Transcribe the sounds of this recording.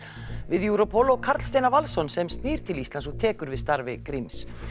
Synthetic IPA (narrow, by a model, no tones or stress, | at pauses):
vɪðjuwɾɔpʰɔlɔɣkʰaɾt̪l̥st̪ejnaɾvalsɔnsɛmst̪niːɾ̥t̪ʰɪlist̪ansɔt̪ʰɛːkʏɾvɪðst̪aɾvɪ̰kɾims